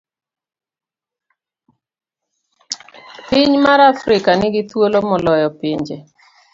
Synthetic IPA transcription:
pɪɲmaɾafɾɪkanɪɡɪt̪wolomɔlɔjɔpɪɲd͡ʒe

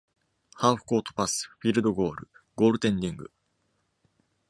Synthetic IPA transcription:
haːɸɯ̟̥ko̞ːt̪o̥pasɨ̥ɸʲiːɾɯ̟d̪o̞ɡo̞ːɾɯ̟̰ɡo̞ːɾɯ̟t̪ẽ̞ndʲĩŋɡɯ̟

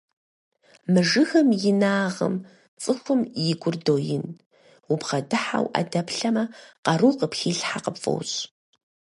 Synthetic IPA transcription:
mɨʐɨxɐmjɪnaːʁə̰m | t͡sʼɨxʷʊmjɪɡʷʊrdoːjɪn | wʊbʁɐdɨħa̰wʔa̰dɐpɬɐmɐqɐruːqəpxiːɬħaqəpfʼo̰wɕʼ

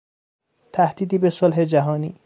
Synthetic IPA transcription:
t̪ʰæhd̪̥iːd̪iːbesolɦe̞d͡ʒæɦɒːnḭː

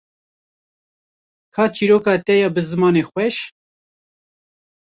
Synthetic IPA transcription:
kʰɑːt͡ʃiːɾoːkɑːt̪ɛjɑːbɨzɨmɑːneːxwʷɛʃ

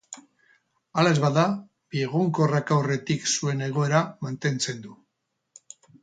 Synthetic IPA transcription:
alaezβaða | bie̞ɣ̞uŋko̞rakawre̞t̪iksue̞ne̞ɣ̞o̞e̞ɾamant̪e̞nt͡se̞nd̪u

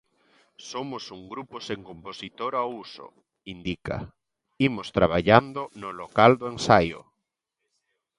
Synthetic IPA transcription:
somʊsuŋɡɾuposeŋkomposit̪oɾauso̰ | ind̪ika̰ | imost̪ɾaβ̞aʎand̪onʊlokald̪oensajo̰

